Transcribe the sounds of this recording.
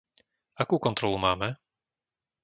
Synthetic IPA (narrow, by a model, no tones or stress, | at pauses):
akuːkɔnt̪ɾɔlumaːmɛ